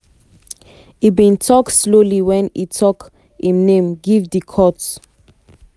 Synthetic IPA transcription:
ibĩntʰɔksloliwɛ̃nitʰɔk | ĩmnẽmɡivdikʰɔt

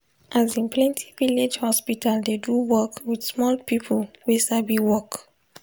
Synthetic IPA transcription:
ʔazĩnpʰlɛ̃ntʰi̥viled͡ʒhɔspitʰaldeduwɔkwid̥smɔlpipʰəlwesabiwɔk

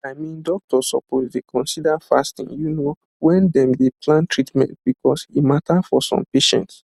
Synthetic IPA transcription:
aɪmĩndɔk̚tʰɔsɔpozdekʰɔ̃nsidafa̰stḭ̃ŋjuno | wɛ̃ndɛ̃mdepʰlãntʰɹitmɛ̰̃nt̚b̥ikʰɔsimatʰafɔsɔ̰̃mpeʃɛ̰̃nts

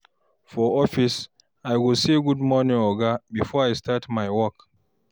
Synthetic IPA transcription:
fɔɔfis | ajwilsiɡudmɔnĩŋɔɡabifɔajstatmajwɔk

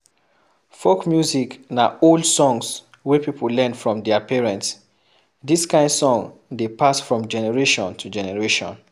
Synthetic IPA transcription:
fokmjuziknaoldsɔ̃ŋs | wɛpipʰəllɛ̃nfɹɔ̃mdɛapɛɹɛ̃nts | diskãɪ̃ndsɔ̃ŋdepasfɹɔ̃md͡ʒɛnɛɹeʃɔ̃ntʰud͡ʒɛnɛɹeʃɔ̰̃n

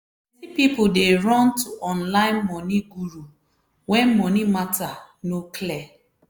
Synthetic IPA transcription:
tipipudeɹɔ̃ntuʔɔ̃nlãɪ̃nmɔniɡuɹu | wɛ̃nmɔnimatanokʰlɛ

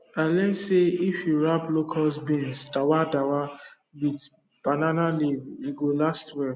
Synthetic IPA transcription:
alɛtseifjuɹaplokʰasbĩnsdawadawa | wit | b̥ananaliviɡolastwɛ

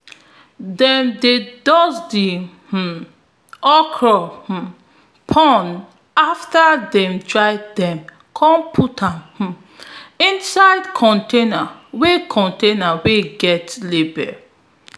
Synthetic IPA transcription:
dɛ̃mdedɔsdi | h̩ | ɔkʰɹɔh̩ | pʰɔ̃n | aftadɛ̃mtɹaɪdɛ̃m | kʰɔ̃mpʰutʰãmh̩ | ĩnsaɪdkʰɔ̃ntenawekʰɔ̃ntenaweɡɛtlebɛ

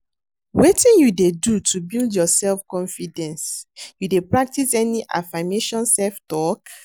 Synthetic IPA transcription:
wetĩnjudedutʰubildjɔsɛlfkɔ̃nfidɛ̃nsjudepɹak̚tisɛniʔa̰fameʃɔ̃nsɛlftɔk

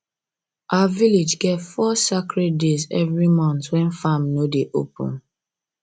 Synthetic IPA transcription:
ʔaaviled͡ʒɡɛvfɔsakɹɛt̚dezɛvɹimɔ̃ntwɛ̃nfamnodeʔo̰pṵ̃n

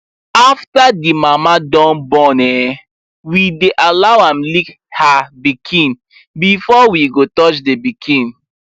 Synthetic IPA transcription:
aftadimamadɔ̃nbɔ̃nɛ | wideʔalawãmlik | habikʰĩn | bifɔwiɡotɔt͡ʃdebikʰĩn

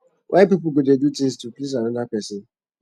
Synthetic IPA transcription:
wʔapip̬ʊɡodedutĩŋstuplis̬anʊ̃dakʷɛsɪ

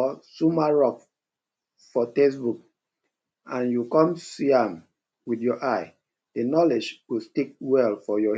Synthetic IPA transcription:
ɔsumaɹɔk | fɔtes̬buk̚ | ãnjukɔ̃msiãm | widjɔʔaɪ | d̥ənɔled͡ʒwistik̚wɛlfɔjɔ

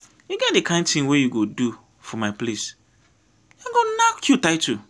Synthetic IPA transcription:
juɡɛt̚dekʰãɪ̃ndtĩŋwejuɡodu | fɔmaɪples | ãŋɡonakʰjutaɪtʰu

